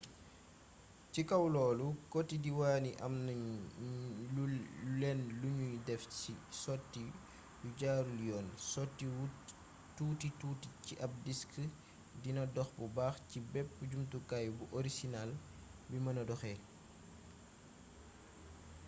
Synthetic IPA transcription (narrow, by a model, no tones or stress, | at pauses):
cikɐwlɔːlukɔtːidiwaːniʔɐ̰mnɐ | ulɛnluɲujdɛfcisɔtːi | juɟaːɾuljɔːnsɔtːi | tuːtituːticiʔɐp̚diskə | dinɐdɔxbubaːxcibɛpːuɟumtukajbuʔɔɾisinal | bimɐnɐdɔxɛ